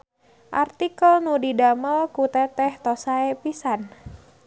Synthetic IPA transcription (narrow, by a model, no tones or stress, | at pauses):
ʔart̪ikəlnudidaməlkut̪ɛt̪ɛht̪ɔsaepisan